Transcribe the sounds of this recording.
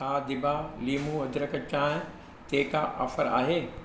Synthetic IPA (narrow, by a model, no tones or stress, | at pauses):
aːd̪ɪbaliːmũɐd̪ɾəkət͡ɕaːɦ | t̪eːkaʔɐ̰fəɾa̰ːɦeː